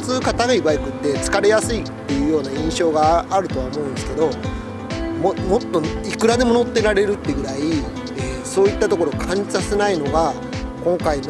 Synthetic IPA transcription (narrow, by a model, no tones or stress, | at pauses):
t͡sɨːkat̪aɡaibaikɯ̟t̪ːe̞t͡sɨ̥kaɾe̞jasɨit̪ːe̞jɯ̟ːjo̞ːnaĩɰ̃ɕo̞ːɡaːɾɯ̟t̪o̞βaomo̞ɯ̃nd̪esɨ̥ke̞d̪o̞ | momo̞t̪ːo̞ikɯ̟ɾad̪e̞mo̞no̞t̪ːe̞ɾaɾe̞ɾɯ̟t̪ːe̞ɡɯ̟ɾai | eːso̞ːit̪ːat̪o̞ko̞ɾo̞kʰãɲit͡sasenaino̞ɡa | kõ̞ŋkain